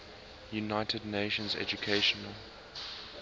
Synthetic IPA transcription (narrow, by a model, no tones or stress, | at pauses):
junaɪtʰədneɪʃə̃nzɛ̰d͡ʒukʰeɪʃɔnəlˠ